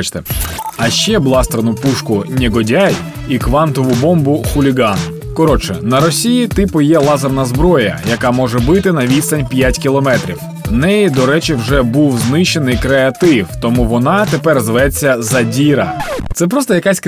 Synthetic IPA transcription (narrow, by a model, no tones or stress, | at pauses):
t͡ʃt̪ɛɐʃt͡ʃɛblˠɑst̪ɾɐnʊpuʃkʊnʲeɡɔdʲaj | ikʋɑnt̪ɔʋʊbɔmbʊxʊlʲiɡɑn | kɔɾɔt͡ʃɛnɐɾɔsʲijit̪ɪpʊjɛlˠɑzɐrnɐzbɾɔjɐ̰jɐkɑmɔʒɛbɪt̪ɪnɐʋʲist̪ɐnʲpʲjatʲkʲilˠɔmɛt̪ɾʲiw | nɛjid̪ɔɾɛt͡ʃɪwʒɛbuwznɪʃe̞nɪjkɾeɐt̪ɪwt̪ɔmuʋɔnɑt̪epɛrzʋɛt͡sʲːɐzɐdʲiɾɐ̰t̪sɛp̬ɾɔst̪ɔjɐkasʲk